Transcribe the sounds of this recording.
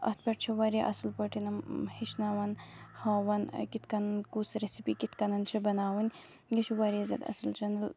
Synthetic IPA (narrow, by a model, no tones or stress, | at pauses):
ɐt̪̚pʲɐʈ̚t͡ʃʰiʋɐɾjɐʔɐslpɐʈʰinɐmhiʃnaʋɐnhɐːʋɐnkit̪kɐnɐnkusɾesipikit̪kɐnɐnt͡ʃʰibɐnaːwɐnʲ | ɡɐt͡ʃʰiʋɐɾijɐzɐ̰d̪ɐ̰sɨlt͡ʃɐnɐl